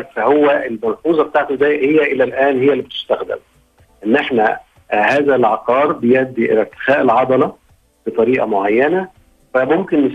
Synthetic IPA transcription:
fæhowːæʔelmænfuːzˤɑbet̪aːʕt̪od̪æːjʔhejːæʔɪlælʔæːnhejːælːibet̪ʊ̥st̪æxd̪ɪ̰m | ʔenːʔeħnæ̰ | hæːzælʕɑqɑːɾˤbejæʔd̪ːiʔḛlæɾt̪ɪ̥xæːʔelʕɑd̪ˤɑlɑ | b̥et̪ˤɑɾiːʔɑ̰moʕajːænæ | fæmomkenːes

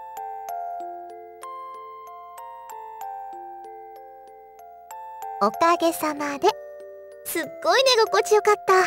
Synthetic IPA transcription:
o̞kaɡe̞samad̪e̞ | sɨɡːo̞ine̞ɡoko̞t͡ɕijo̞kat̪ːa

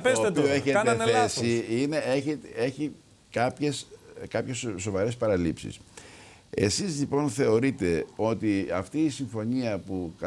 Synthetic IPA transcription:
pesotpioeçeɐnɐneesiine̞eçet̪eçi | kɐpçeskɐpçesːo̞vɐɾe̞spɐɾɐlipsḭs | e̞̰sizlipo̞nθe̞o̞ɾit̪e̞o̞t̪iɐft̪iːsiɱfo̞ɲiɐpuk

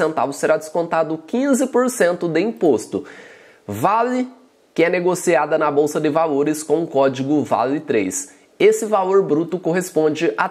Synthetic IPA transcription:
sẽnt̪avʊseɾad̪ɪskõnt̪ad̪ʊkĩzɪpoɾsẽnt̪ʊd̪ɪĩpost̪ʊ | valɪ | kɪɛneɡosiad̪ɐnɐbowsɐd̪ɪvaloɾɪskõw̃ʊ̃kɔd͡ʒiɡʊva̰lɪt̪ɾḛjs | esɪvaloɾbɾut̪ʊkoɦespõd͡ʒɪʔa

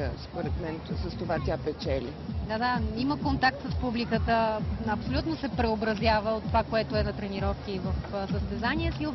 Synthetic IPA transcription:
spoɾɛt̪mɛnsəst̪ovat̪ʲapɛt͡ʃɛlʲḭd̪ad̪aiməkont̪ak̚t̪səspublikət̪əɐpsolʲut̪nosɛpɾɛobɾɐzʲjavəot̪ːovakoɛt̪oɛnɐt̪ɾɛniɾɔfk̟ivəfsəst̪ɛzaniɛsi

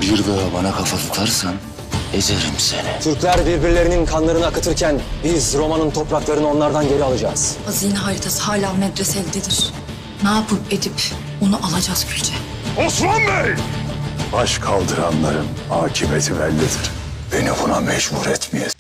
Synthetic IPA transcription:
biɾd̪aɦabanakʰafalɯklˠaɾsan | ezeɾimsenɛt̪ʰyɾclʲæɾbiɾbiɾlʲe̞ɾininkʰanlˠaɾɯnɯakʰɯt̪ʰɯɾcʰænbizɾo̞manɯnt̪ʰo̞pɾaklˠaɾɯnɯo̞nlˠaɾd̪anɟe̞ɾialˠad͡ʒaːz̥azijnɦaːɾit̪ʰasɯ̥haːlʲaːmɛd̪ɾɛsɛlʲd̪ed̪iɾ̥ | naːpʰɯped̪ip | onuʔalˠad͡ʒaz̥cʰylʲt͡ʃʰɛ | oslanbeɾ | baʃkʰalˠd̪ɯɾanlˠaɾɯm | haːcʰimet̪ʰivælʲːid̪iɾ̥ | b̥e̞nibunamɛd͡ʒbuɾɛt̪mije

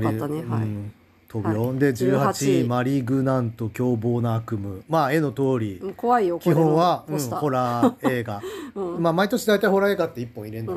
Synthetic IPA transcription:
ɯ̟̃ | t̪ʰobʲjo̞d̪e̞d͡ʑɨːhaat͡ɕimaɾʲiɡɯ̟nãnt̪o̞kʲo̞ːbo̞ːnaakɯ̟mɯ̟mae̞no̞t̪o̞ːɾʲikoaiokʲihõɰ̃βaɯ̃ɴho̞ɾae̞ːɡamaːmait̪o̞ɕid̪ait̪aiho̞ɾae̞ːɡat̪ːe̞ipːõiɾẽ̞nd̪a

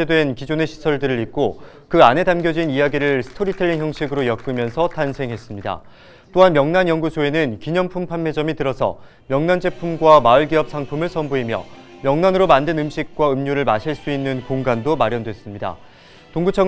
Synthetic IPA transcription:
edwe̞nkid͡ʑone̞ɕʰi̥sʰʌɭdɯɾɯɾik͈o | kɯane̞damɡjʌd͡ʑinijaɡiɾɯɭsʰɯ̥tʰoɾitʰeʎːiŋɦçjʌŋɕʰiɡɯɾojʌk̚k͈ɯmjʌnsʰʌtansʰe̞ŋɦe̞s͈ɯmɲida̰ | t͈oɦanmjʌŋnanjʌŋɡusʰoe̞nɯnkiɲʌmpʰumpʰanːe̞d͡ʑʌmitɯɾʌsʰʌ̰ | mjʌŋnand͡ʑe̞pʰumɡwamaɯɭɡiʌp̚sʰaŋpʰumɯɭsʰʌmboɦimjʌ̰ | mjʌŋnanɯɾomandenɯmɕʰik̚k͈waɯmɲuɾɯɭmaɕʰiɭs͈uinːɯnkoŋɡandomaɾjʌndwe̞s͈ɯmɲida̰ | toŋɡut͡ɕʰʌŋ

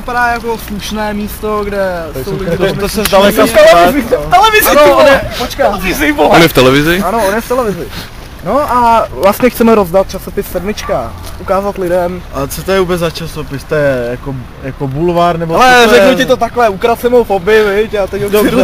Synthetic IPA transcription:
vɪpadaːjako̞sluʃnɛːmiːst̪o̞ɡdɛsowlɪosɛzdalɛkaɛɛɪft̪ɛlɛvɪzɪnoonjɛpot͡ʃkaɪzɪvoonjɛft̪ɛlɛvɪzɪanoʔonjɛft̪ɛlɛvɪzɪ | noʔavlast̪ɲɛxt͡sɛmɛɾozdat̪̚t͡ʃaso̞pɪsːɛdmɪt͡ʃka | ʔukaːzat̪lɪdɛmat͡sɛt̪ojɛubɛzzat͡ʃasopɪst̪ojɛjako | jakobulvaɾnɛboalɛɾɛknocɪt̪ot̪aklɛukɾat͡sɛmowfobɪvɪcat̪ɛcoɪɾu

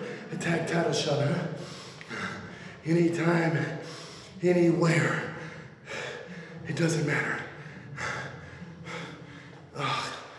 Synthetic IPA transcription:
ɨtʰæk̚tʰaɪɾl̩ˠʃʌɾə | ɛɾ̃itʰãɪ̃m | ɛniwɛɹ | ɨt̚d̥ʌzɨ̃nmæɾə˞ | ʌ

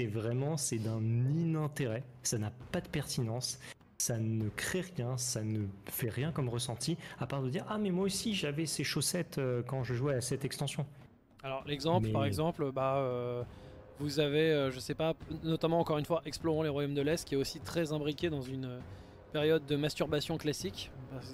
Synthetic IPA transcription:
sɛvʁɛmɑ̃sɛd̪ɛ̃ninɛ̃t̪eʁɛ | sanapad̪əpɛʁt̪inɑ̃sː | anəkχɛʁjɛ̃sanəfɛʁjɛ̃kɔmʁəsɑ̃t̪ʰiapaʁd̪əd̪iʁʔamɛmwaosiʒavɛseʃosɛt̪økɑ̃ʒəʒuwɛasɛt̪ɛkst̪ɑ̃sjɔ̃ | alɔʁlɛɡzɑ̃pmɛpaʁɛɡzɑ̃pløbaø | vuzaveøʒəsɛpanɔt̪amɑ̃ːkɔʁynfwaʔɛksploʁɑ̃leʁwajomd̪əlɛst̪̚kʲiɛt̪osit̪χɛzɛ̃bʁikʲed̪ɑ̃zynø | peʁjɔd̪̚ːəmast̪yʁbasjɔ̃klasikba

